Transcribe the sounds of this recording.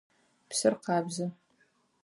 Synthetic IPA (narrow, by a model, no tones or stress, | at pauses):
psɨrqɑːbzɐ